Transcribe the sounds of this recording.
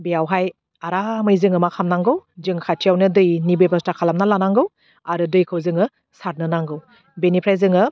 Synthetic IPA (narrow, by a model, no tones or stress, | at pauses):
bijawɦaj | aɾamɯjzɯŋɯmakʰamnaŋɡɯwzɯŋkʰatʰijawnɯdɯjnibɯjbastakʰalamnalanaŋɡɯw | aɾɯdɯjkʰɯwzɯŋɯ | saɾ̚nɯnaŋɡɯw | benipʰɾajzɯŋɯ